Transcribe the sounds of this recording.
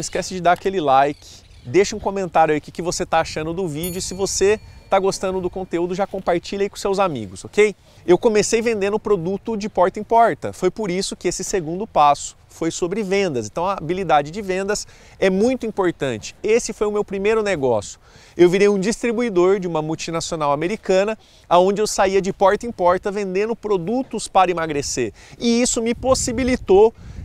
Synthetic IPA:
iskɛsɪd͡ʒɪd̪aakelɪlajkʰɪ̥ | d̪eʃɐũkõmẽnt̪aɾjʊɐikɪkɪvoset̪aaʃɐ̃nd̪ʊd̪ʊvid͡ʒʊsɪvoset̪aɡost̪ɐ̃nd̪ʊd̪ʊkõnt̪eud̪ʊʒakõmpaɾt͡ʃiʎɐaikõsewzamḭɡʊsokej | ewkõmesejvẽnd̪ẽnʊpɾod̪ut̪ʊd͡ʒɪpɔɾt̪ɐĩpɔɾt̪ɐ̰fojpoɾisʊkɪesɪseɡũnd̪ʊpasʊ̥ | fojsobɾɪvẽnd̪ɐsẽnt̪ɐ̃w̃ɐabilid̪ad͡ʒɪd͡ʒɪvẽnd̪ɐs | ɛmũj̃t̪ʊĩpoɾt̪ɐ̃nt͡ʃɪ̥esɪfojʊmewpɾimejɾʊneɡɔsjʊ | ewviɾejũd͡ʒist̪ɾibuid̪oɾd͡ʒɪũmɐmuwt͡ʃinasionawameɾikɐ̃nɐ | aõnd͡ʒɪewsaiɐd͡ʒɪpɔɾt̪ɐĩpɔɾt̪ɐvẽnd̪ẽnʊpɾod̪ut̪ʊspaɾɐimaɡɾeseɾ | ɪisʊmɪposibilit̪o

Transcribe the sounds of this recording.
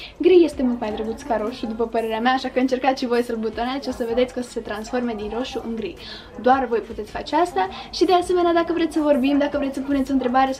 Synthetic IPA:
ɡɾije̞st̪e̞mult̪majd̪ɾəɡut̪skaɾoxid̪upəpəɾe̞ɾeameaːʃakəɨnt͡ʃe̞rkat̪ʃivo̞jsəlbut̪onet̪sʲo̞səve̞d̪et̪sʲkəosə̥se̞t̪ɾansfo̞rme̞d̪inro̞ʃuʔɨŋɡɾij | d̪oarvo̞jput̪esʲfat͡ʃeast̪aʃid̪ease̞me̞nead̪akəvɾe̞t̪sʲsəvo̞rbimd̪akəvɾessəpunet̪ʲo̞nt̪ɾe̞baɾe̞

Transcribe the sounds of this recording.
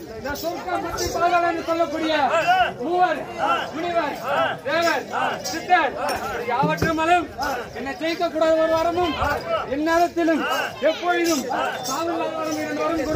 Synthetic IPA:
ɪnd̪ɐsɔɾkːɐmɐʈɾɪpːaːɣaːlɛndɯsɔlːɐkːuːɽɪjɐuːʋɐɾmʊɽɪʋɐɾd̪eːʋɐɾsɪt̪ːɐɾpːɐɽɐjaːʋɐʈːɐmɐlɯmɛnːɐkɛjɪkːɐkːuːɽaːðɐɔɾɯʋaːɾɐmɯmɛnːeːɾɐt̪ːɪlɯmɛpːoːjɪðɯmsaːʋɐlːaːʋaːɾɐmɪnɐnɐːɾɐmkuːɽ

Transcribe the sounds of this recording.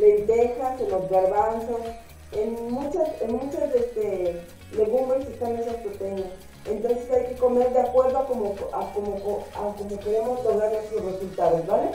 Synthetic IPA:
lent̪esasenozɡaɾβansos | enmut͡ʃasenmũt͡ʃazest̪e | leɣumbesest̪anːesaspɾot̪enas | ent̪o̞nsesajke̞ko̞me̞ɾðeakwe̞ɾðoakomoakomokoakomoke̞ɾemo̞zd̪oɣaɾnest̪ɾosresult̪aðozβale

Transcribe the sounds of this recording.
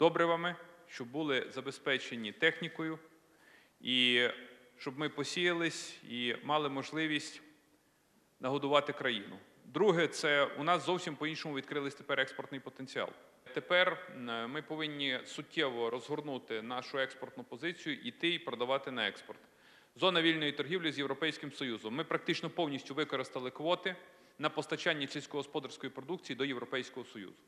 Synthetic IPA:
d̪̥ɔbɾɛʋɑmɪʃt͡ʃɔbːulˠɪzɐbespɛt͡ʃenʲːit̪ɛxnʲikɔjʊ | i | ʃt͡ʃɔbmɪpɔsʲijɐlˠɪsʲimɑlˠɪmɔʒlˠɪʋʲisʲtʲ | nɐɦɔd̪ʊʋɑt̪ɪkɾɐjḭnʊ̰ | d̪ɾuɦɛt̪sɛṵnɑszɔwsʲimpɔinʃɔmʊʋʲid̪̚kɾɪlˠɪsʲt̪e̥pɛɾɛkspɔrt̪nɪjpɔt̪enʲt͡sʲiɑ̰lˠ | t̪epɛrmɪpɔʋɪnʲːisʊtʲːɛʋɔɾɔzɦɔrnut̪ɪnɑʃʊɛkspɔrt̪nʊpɔzɪt͡sʲijʊʔit̪ɪipɾɔd̪ɐʋɑt̪ɪnɐɛkspɔrt̪ | zɔnɐʋʲilʲnɔjit̪ɔrɦʲiwlʲizjewɾɔpɛjsʲkɪmsɔjuzɔmːɪpɾɐk̚t̪ɪt͡ʃnɔpɔwnʲisʲtʲʊʋɪkɔɾɪst̪ɐlˠɪkʋɔt̪ɪ | nɐpɔst̪ɐt͡ʃanʲːisʲilʲsʲkɔɦɔspɔd̪ɐrsʲkɔjipɾɔd̪uk̚t͡sʲijid̪ɔjewɾɔpɛjsʲkɔɦɔsɔjṵzʊ

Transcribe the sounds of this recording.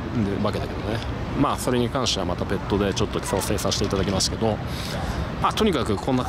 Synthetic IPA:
d̪ebake̞d̪ake̞d̪o̞ne | maːso̞ɾe̞ɲ̟ikãɰ̃ɕt̪e̞amat̪ape̞t̪ːo̞d̪e̞t͡ɕo̞t̪ːo̞kʰʲi̥kaose̞ːsãɕi̥t̪e̞it̪ad̪ak̬ʲimasɨ̥ke̞d̪o̞ | at̪o̞ɲ̟ikakɯ̟kʰonːa

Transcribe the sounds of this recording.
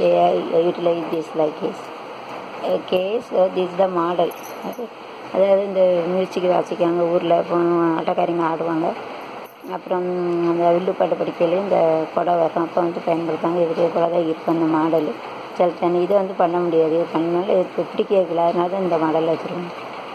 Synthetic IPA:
ejuːʈɪlɐɪsd̪islaːkeːs | keːsd̪ɪsd̪ɐmaːɽɐl | oːke | ɐðaːʋɐðɯɪnd̪ɐmjusɪkːɯʋa̰ːt͡ʃːɪkːaːŋɡɐuːɾɪlɐpːoːnɐ̰ʈːɐkaːɾɪɐŋɡɐlaːɽɯʋaːŋɡɐ | ɐpːɯɾɔ̃ɐnd̪ɐʋɪɭːupːaːʈːɐpːɐɽɪkːeːlɪnd̪ɐkɔɽɐʋɐɾɐ̃ɐpːɐ̃ʋɐnd̪ɯpɐjɐnpɐɽɯt̪ːaːŋɡɐɪʋɐʈɪjɐkɔːɽɐðãːɪɾɯkːɐ̃ɪnd̪ɐmaːɽɐl | t͡ʃɐlt̪ːɐnːɪðɯʋɐnd̪ɯpɐɳːɐmʊɽɪjaːðɯpɐɳːɯnaːlɐtːɐpɪɽɪkːɐkɪlaːɯnaːðɐ̃ɪnd̪ɐmaːɽɐlːʋɐt͡ʃːɪɾɯʋaːŋɡɐ

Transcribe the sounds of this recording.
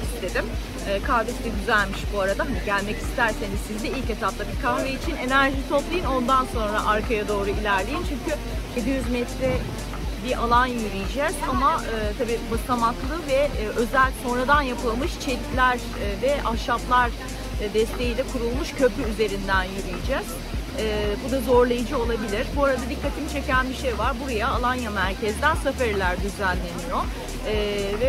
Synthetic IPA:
ist̪ʰe̞d̪im | ɛːkʰaɾvesid̪ɛɟyzælʲmiʃbuaɾad̪aɦaniɟælʲmɛci̥st̪ʰæɾse̞nizsizd̪ɛilʲce̞t̪ap̚t̪ˠabikʰaɾveit͡ʃʰine̞næɾʒiso̞p̪lˠajɯno̞nd̪anso̞nɾaʔaɾkʰajad̪o̞ːɾuilʲæɾlʲejint͡ʃʰyɲcy | je̞d̪ijyzmɛt̪ɾɛ | biʔalˠanjyɾijid͡ʒɛzamaɯːt̪ʰabiːbasamaklˠɯvɛʔø̞zælʲso̞nɾad̪anjapɯlˠmɯʃt͡ʃʰelʲæɾ | vɛʔaʃaplˠaɾ | d̪ɛst̪ʰe̞jiːlʲɛkʰuɾulˠmuʃcʰø̞pʰyyze̞ɾind̪ænjyɾijid͡ʒɛz̥ | ɛːbud̪azo̞ɾlˠajɯd͡ʒɯo̞lˠabilʲiɾbuaɾad̪ad̪ikːat̪ʰimt͡ʃʰe̞cænbiʃejvaɾbuɾajaːlˠanjamæɾcʰɛzd̪ænsafæɾlʲæɾd̪yzælʲːe̞nijo̞ː | vɛ

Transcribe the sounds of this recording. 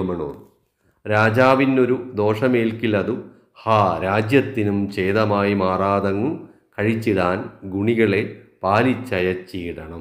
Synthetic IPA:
ɐmɐɳoːr | ɾaːd͡ʑaːʋinːo̞ɾud̪o̞ːʂɐmeːlkilɐðu | haːɾaːd͡ʑjɐt̪ːinumt͡ɕejðɐmaːjimaːraːd̪ɐŋːum | kɐɻit͡ɕːiðaːnɡuɳiɣɐɭe̞paːlit͡ɕːɐjɐt͡ɕːiːɽɐɳɐm

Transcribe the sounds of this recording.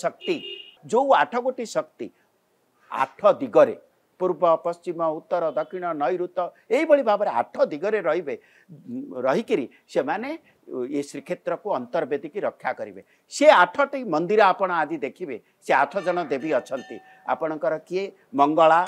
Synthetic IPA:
sɔk̚t̪id͡ʒowaʈʰɔkoʈisɔkt̪ḭ | a̰ʈʰɔd̪iɡɔɾḛ | puɾbɔpɔst͡ʃimɔut̪ːɔɾɔd̪ɔkʰiɽ̃ɔnɔjɾut̪ɔ | eɦibɔɭibʱabɔɾea̰ʈʰɔd̪iɡɔɾeɾɔɦibe | ɾɔɦikiɾi | semane | esɾikʰet̪ɾɔkuɔnt̪ɔɾbed̪ikiɾɔkʰːjakɔɾibe | seaʈʰɔʈiimɔnd̪iɾɔapɔɽ̃ɔad͡ʒid̪ekʰibe | seaʈʰɔd͡ʒɔɽ̃ɔd̪ebiɔt͡ʃʰɔnt̪i | a̰pɔɽ̃ɔŋkɔɾɔkie | mɔŋɡɔɭa

